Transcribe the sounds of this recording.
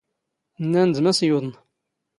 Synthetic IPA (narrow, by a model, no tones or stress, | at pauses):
nːænzmæsjuðˤən